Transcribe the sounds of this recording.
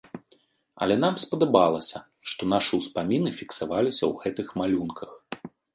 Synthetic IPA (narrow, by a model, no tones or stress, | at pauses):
ɐ̰lʲɛn̪amspɐd̪abalˠɐsʲɐ | ʂt̪ɔnaʂɨuspamʲinɨfʲiksavalʲisʲɐ̰wɣɛt̪ɨxmalʲunkʰɐx